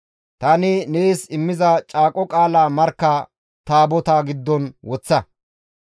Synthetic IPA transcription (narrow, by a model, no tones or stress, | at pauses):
t̪ɐnɪnesɪmːɪzɐt͡ʃʼaːkʼɔkʼaːlaːmɐɾkːa | t̪aːbɔt̪aːɡɪd̪ːɔnwɔt͡sːɐ